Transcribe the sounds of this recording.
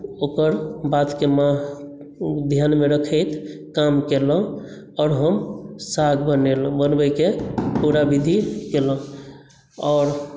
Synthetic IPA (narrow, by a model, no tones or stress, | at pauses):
okəɾbat̪kemã | d̪ʱjanmeɾəkʰəjt̪ʰkamkelə̃ | ɔʊɾɦəmsaɡʱbənelbənbəjkepuɾabid̪ʱikelə̃ | ɔːɾ